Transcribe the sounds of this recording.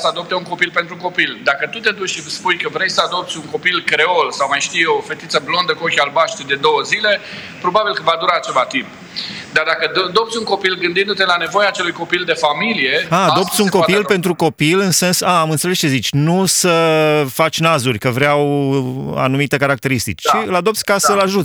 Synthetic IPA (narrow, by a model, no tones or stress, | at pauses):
səad̪o̞p̚t̪euŋko̞pilpe̞nt̪ɾuko̞pild̪akət̪ut̪e̞d̪ut͡ʃʲʃivspujkəvɾejsəad̪o̞p̚t̪sʲuŋko̞pilkɾe̞olsawmajʃt̪ijeofe̞t̪it̪səblo̞nd̪əkuokʲalbaʃt̪d̪e̞d̪o̞wəzile̞ | pɾo̞babilkəvad̪uɾaːt͡ʃevat̪imp | d̪aɾd̪akəd̪op̚t̪sʲuŋko̞pilɡɨnd̪ind̪ut̪e̞lane̞vo̞jaːt͡ʃe̞lujko̞pild̪e̞familije̞aːo̞pt̪sʲuŋko̞pilpe̞nt̪ɾuko̞pilɨnse̞nsaːmɨnsele̞st͡ʃe̞zit͡ʃʲnusəfat͡ʃʲnazurʲkəvɾeaw | a̰numit̪e̞kaɾak̚t̪e̞ɾist̪ḭt͡ʃʃiɨlad̪o̞p̚t̪sʲkasəlaʒut̪ʲ